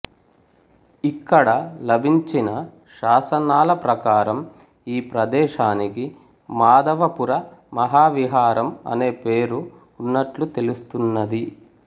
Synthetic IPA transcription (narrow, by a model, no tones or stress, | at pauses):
ikːɐɽɐlɐbʱiɲt͡ʃinɐ | ʃaːsɐnaːlɐpɾɐkaːɾɐm | iːpɾɐd̪ɛːʃaːniki | maːd̪ɐʋɐpuɾɐmɐɦaːʋiɦaːɾɐmɐ̰ne̞ːpeːɾuː | nːɐʈlut̪e̞lust̪unːɐd̪i